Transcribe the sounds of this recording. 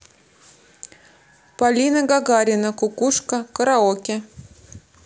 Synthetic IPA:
palʲinəɡaɡaɾʲɪnəkʊkuʂkəkəɾaokʲɪ

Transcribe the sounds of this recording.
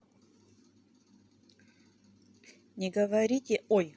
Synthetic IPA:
nʲɪɡəvɐɾʲitʲɪoj

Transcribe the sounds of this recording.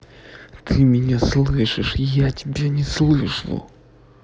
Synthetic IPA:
t̪ʰɨmʲɪnʲaslˠɨʂɨʂjatʲɪbʲenʲɪslˠɨʂlˠʊ̰

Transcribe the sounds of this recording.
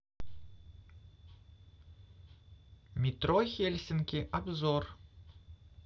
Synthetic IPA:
mʲit̪roxʲelʲsʲɪnkʲiʔɐbzor

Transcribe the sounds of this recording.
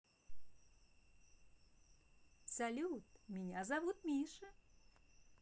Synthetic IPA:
sɐlʲut̪mʲɪnʲazɐʋut̪mʲiʂɨ

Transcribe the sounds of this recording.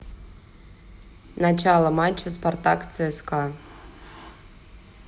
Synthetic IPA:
nat͡ɕalˠəmat͡ɕːɐspart̪akt̪sɛɛska

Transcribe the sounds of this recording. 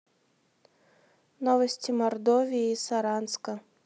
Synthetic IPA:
nɔvɐsʲt͡sʲimɐrd̪ɔvʲijisaɾanskɐ

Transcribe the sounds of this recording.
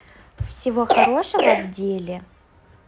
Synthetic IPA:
fsʲɪvo̞xɐɾo̞ʂəvəvdʲelʲɪ

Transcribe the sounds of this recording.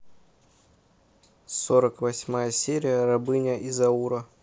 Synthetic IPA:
soɾəkvɐsʲmajəsʲeɾʲɪjərɐbɨnʲəʔizɐuɾə

